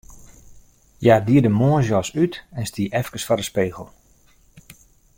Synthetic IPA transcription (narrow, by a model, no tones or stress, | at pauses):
jaːdiədəmoːzjɔsytɛnstiəʔɛfkəsfɔɾəspeːɣəlˠ